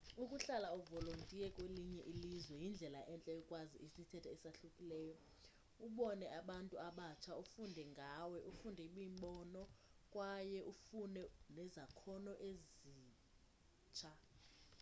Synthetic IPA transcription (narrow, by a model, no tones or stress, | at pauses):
ukʼuɬalaɔvɔlontʼiɛkʼweliɲɛʔilizwɛjind͡ɮʱɛlaʔɛnt͡ɬʼɛjɔkʼwaziʔisitʰɛtʰaɛsaɬukʼilɛːjɔ | uɓɔnɛʔaɓantʼuaɓat͡ʃʰaufundʱɛŋɡʱawɛʔufundʱɛɓiːmɓɔnɔkʼwajɛʔufunɛnɛzakʰɔnɔʔeziː | t͡ʃʰa